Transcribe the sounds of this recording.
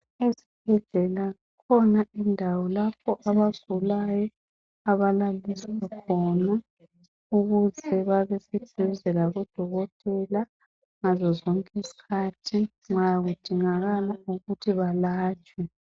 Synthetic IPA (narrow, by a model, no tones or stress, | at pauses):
ezib̥̚ʱɛɮɛla | kʰɔnaʔindʱawɔlapʰɔʔaβav̥ʱulajɔ | aβalaliswakʰɔna | uɣuzʰɛβaβɛsɛd̥ʱɛβɛzɛlaɣɔd̥ʱɔɣɔtʼɛla | ŋazɔzɔŋkʼizi̥kʰaːtʰi | ŋ͡ǁajaɣud̥ʱiŋaɣalauɣutʰiβalaːt͡ʃʼwɛ